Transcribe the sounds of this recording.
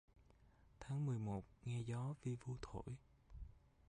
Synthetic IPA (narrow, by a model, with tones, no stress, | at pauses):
t̪ʰaː˨˦ŋmɨ˨˩əjmo˨˩t̚ŋɛ˧zɔ˨˦vi˧vu˧t̪ʰo̰˧˩˨j